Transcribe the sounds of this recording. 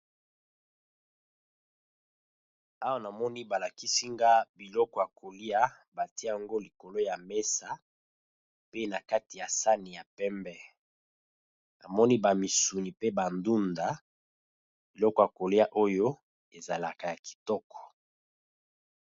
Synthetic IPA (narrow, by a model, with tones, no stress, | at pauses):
a˦wa˦na˨mɔ˦ni˦ba˨la˨ki˦si˦ŋɡa˦bi˨lɔ˦kɔ˨ja˨kʰo˨li˦a˦ba˨ti˦a˦a˨ŋɡo˦li˨ko˨lo˦ja˨me˦sa˨ | pe˦na˨ka˦ti˨ja˨sa˦ni˨ja˨pɛ˦mbɛ˦ | na˨mɔ˦ni˦ba˨mi˨su˨ni˨pe˦ba˨ndu˦nda˨ | b̥i˨lɔ˦kɔ˨ja˨ko˨li˦a˦ʔo˦jo˦ | e˨za˨la˨ka˨ja˨ki̥˨tɔ˦kʰɔ̥˨